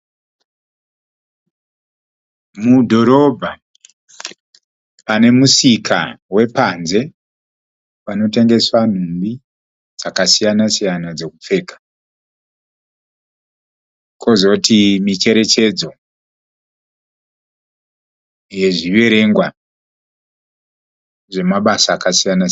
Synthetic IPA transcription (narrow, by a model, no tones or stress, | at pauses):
mudʱo̞ɾo̞bʱa | pane̞musikʰa̰we̞panze̞ | pano̞te̞ŋɡe̞swan̤umbi | d͡zakasijanasijanad͡ze̞kup͡fe̞ːkḁ | kʰo̞zo̞tʰimit͡ʃe̞ɾe̞t͡ʃe̞d͡zo̞ | je̞ʐiʋe̞ɾe̞ŋɡwa | ʐe̞maɓasaːkasijana